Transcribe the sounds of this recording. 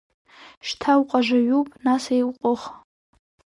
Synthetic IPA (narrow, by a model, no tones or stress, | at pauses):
ʃtʰawqʼaʒaɥupʼnasejwʷqʷʼʊχ